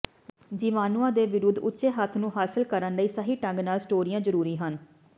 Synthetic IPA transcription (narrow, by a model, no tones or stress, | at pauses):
d͡ʒiːʋaːnuãːd̪eːʋɪɾʊd̪ʊtːʃeːɦət̪ʰnũːɦaːsɪlkəɾənləiːsəɦiːʈə̃ŋɡnaːlsʈoːɾijãːzəɾuːɾiːɦən